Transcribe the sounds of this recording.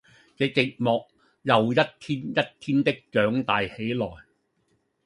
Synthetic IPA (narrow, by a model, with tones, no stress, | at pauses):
t͡sɛː˨˧t͡sɪ˨k̚mɔː˨k̚ | jɐ˨wjɐ˥t̚t̪ʰiː˥njɐ˥t̚t̪ʰiː˥nt̪ɪ˥k̚t͡ʃœː˨˥ŋt̪aː˨jhe˨˥jlɔː˨˩j